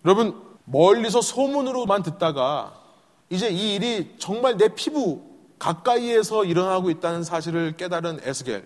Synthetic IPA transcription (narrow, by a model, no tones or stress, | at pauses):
jʌɾʌbɯn | mʌʎːis̬ʰʌsʰomunɯɾomandɯt̚t͈aɡa | id͡ʑe̞iːɾit͡ɕʌŋmaɭne̞pʰibu | kak͈aie̞sʰʌiɾʌnɦaɡoit̚t͈anɯns̬ʰaɕʰiɾɯɭk͈e̞daɾɯnesʰɯɡḛɭ